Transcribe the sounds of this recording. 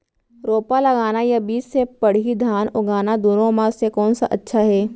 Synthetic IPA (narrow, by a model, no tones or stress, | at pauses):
ɾoːpalɐɡaːnajabiːd͡ʒsepɐɽ̤id̪ʱaːnʊɡaːnad̪unõmãsekɔːnsaʔɐtːʃʰaɦɛː